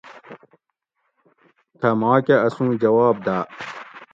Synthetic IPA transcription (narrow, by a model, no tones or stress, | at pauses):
t̪ʰɐmaːkʲeɐsũːd͡ʑɐwaːb̚d̪aː